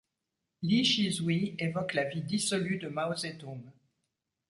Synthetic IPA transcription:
liʃizwievɔklavid̪isɔlyd̪əmaozet̪om

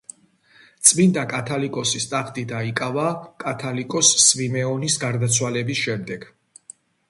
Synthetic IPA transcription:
t̪sʼmind̪akʼat̪ʰalikʼɔsist̪ʼaχʰt̪ʼid̪aikʼavakʼat̪ʰalikʼɔsːvimɛɔnisɡaɾd̪at̪sʰwalɛbisʃɛmd̪ɛɡ̥

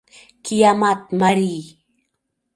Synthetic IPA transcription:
kijamat̪̚maɾi

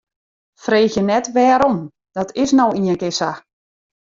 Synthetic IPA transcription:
freːxjənɛtʋɛːɾɔm | d̥ɔtʰɪsnowiəŋkɪsa

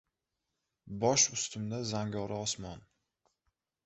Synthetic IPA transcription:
bɒʃʊst̪ʰʊmd̪azaŋɡʲɒɾɪɒsmɒn

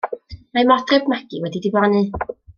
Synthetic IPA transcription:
majmɔdrɪbmaɡiwɛdidɪblanɨ

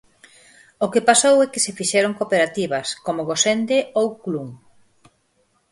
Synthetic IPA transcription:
okepasowɛkɪsefiʃɛɾoŋkopeɾat̪iβɐskomʊɣosend̪eowkluŋ

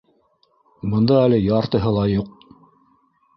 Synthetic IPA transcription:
bɤ̆nd̪ɑælɘjɑɾt̪ɤ̆ɦɤ̆lˠɑjuq̚

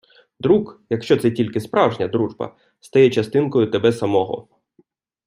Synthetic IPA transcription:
d̪ɾukjɐkʃt͡ʃɔt̪sɛtʲilʲkɪspɾɑwʒnʲɐd̪ɾuʒbɐ̰ | st̪ɐjɛt͡ʃɐst̪ɪnkɔjʊt̪ebɛsɐmɔɦɔ̰

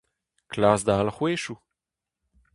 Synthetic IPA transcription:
klaːsd̪aalχweːʃu

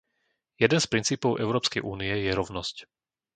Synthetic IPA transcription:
jɛd̪ɛnspɾint͡siːpɔʊʔɛʊɾɔːpskɛjʔuːniɛjɛɾɔʊnɔsc

